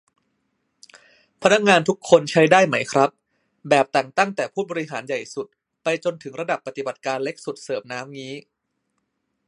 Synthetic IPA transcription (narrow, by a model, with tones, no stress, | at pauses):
pʰa˧˥na˦˥k̚ŋaː˧nt̪ʰu˦˥kʰːo˧nt͡ɕʰa˦˥jdaː˥˩jma˦˥jkʰɾa˦˥p̚ | bɛː˨˩p̚t̪ɛː˨˩ŋt̪a˥˩ŋt̪ɛː˨˩pʰuː˥˩bɔː˧ɾi˦˥ɦaː˩˦nja˨˩jsu˨˩t̪̚ | pa˧jt͡ɕo˧nt̪ʰɯ˩˦ŋɾa˧da˨˩pːa˧t̪i˨˩ba˨˩t̪̚kaː˧nle˦˥k̚su˨˩t̪̚sɤː˨˩mnaː˦˥mŋiː˦˥